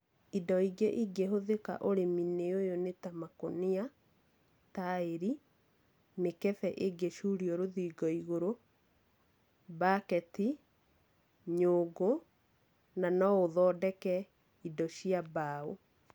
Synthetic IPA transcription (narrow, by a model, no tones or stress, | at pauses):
idɔiɡeʔiɡeɦoðeka̰ʔoɾemineojonetamakonia | taeɾi | nekɛθɛʔeɡeʃuɾioɾoðiɡɔiɣoɾo | bakɛti | ɲoːɡo | nanɔoðɔːdɛkɛ | idɔɕiabaːo